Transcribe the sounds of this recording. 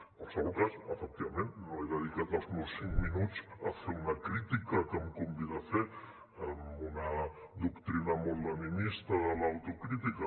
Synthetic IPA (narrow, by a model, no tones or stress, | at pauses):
poɾsalokasefek̚t̪iβament̪noeðeð̞ikat̪asunosiŋkminut͡safeɾunakɾit̪ikakemkombiðaθeɾ | emuna | ðokt̪ɾinamold̪animist̪aðəlawt̪okɾit̪ika